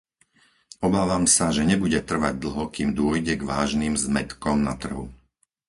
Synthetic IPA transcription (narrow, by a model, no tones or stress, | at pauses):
ɔbaːʋaːmsaʒɛɲɛbuɟɛt̪r̩ʋa̰ɟ̚d̪l̩ɦɔkiːmd̪ʊɔjɟɛɡʋaːʒniːmzmɛt̪kɔmnat̪r̩ɦu